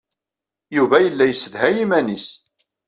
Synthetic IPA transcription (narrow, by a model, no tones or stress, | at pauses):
juvæjəlːæjəsːəðhæjimænis